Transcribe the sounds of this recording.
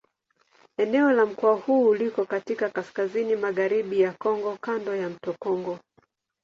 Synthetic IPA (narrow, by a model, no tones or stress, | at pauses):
ɛnɛɔlam̩kɔahuːlikɔkatikakaskazinimaɣaɾiɓijakɔŋɡɔkandɔjam̩tɔkɔŋɡɔ